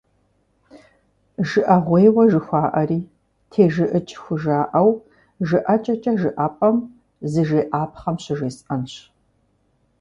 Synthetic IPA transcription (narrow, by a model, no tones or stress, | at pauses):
ʒɨʔɐʁʷeːwɐʒɨxʷaːʔɐriː | tʰeːʒɨʔɨt͡ʃʼxʷʊʒaːʔɐw | ʒɨʔɐt͡ʃʼɐt͡ʃʼɐʒɨʔaːpʼɐm | zɨʒeːʔaːpχɐmɕɪʒeːsʔɐnɕ